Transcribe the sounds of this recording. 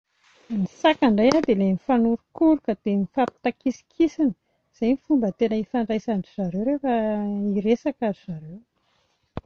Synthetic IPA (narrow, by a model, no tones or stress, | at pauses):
nisakaɳɖ͡ʐajad̪elemifanuɾukuɾukəd̪̥emifapi̥t̪akisi̥kʰisinə̥ | z̥ajmifumbət̪enəifaɳɖ͡ʐajsaɳɖ͡ʐiz̥aɾewɾefaiɾesakaɾiz̥aɾew